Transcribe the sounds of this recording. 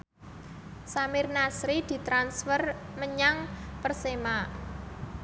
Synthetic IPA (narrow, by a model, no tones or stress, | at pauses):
samɪrnasɾid̪̥i̤t̪ɾansfərməɲaŋpərsema